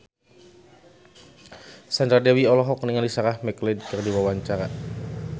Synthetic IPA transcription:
sandadɛwiɔlɔɦɔkniŋalisaɾahmɛklɪd̚kɨrdiwawaɲt͡ʃaɾa

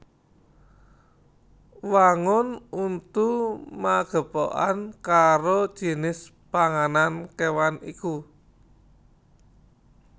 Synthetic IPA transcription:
waŋʊnunt̪umaɡ̥ə̤po̰ʔa̰nkaɾod̥ʒ̥i̤nɪs | paŋanankewanḭku

